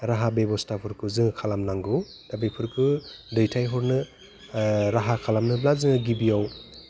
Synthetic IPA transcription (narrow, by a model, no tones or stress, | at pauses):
ɾaɦabebɔstapʰɯɾkʰɯzɯŋkʰalamnaŋɡɯw | d̥abejpʰɯɾkʰɯdɯjtʰajɦɔɾnɯ | ɾaɦakʰalamnɯblazɯŋɯɡibijaw